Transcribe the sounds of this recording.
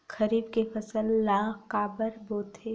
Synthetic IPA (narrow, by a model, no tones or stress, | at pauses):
xɐɾiːbkefʰɐsəlːaːkaːbəɾboːt̪ʰe